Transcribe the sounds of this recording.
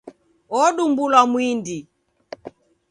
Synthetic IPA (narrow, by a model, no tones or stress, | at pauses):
ɔɗumbulwamwindi